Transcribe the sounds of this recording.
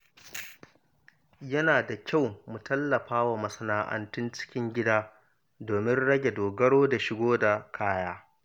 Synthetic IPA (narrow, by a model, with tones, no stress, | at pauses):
jɐ˦naː˨da˨kʲa˦˨wmu˨tɐ˦lːɐ˨ɸaː˦wa˨mɐ˨sɐ˦naː˦ʔɐ̰˦ntʊ˦nt͡ʃɪ̥˦kʲɪ˦ŋɡʲɪ˦daː˦ | doː˨mɪ˦nɽɐ˦ɡʲe˨doː˨ɡɐ˦ɽoː˦da˨ʃɪ˨˦ɡʷoː˦da˨kʰaː˦jaː˦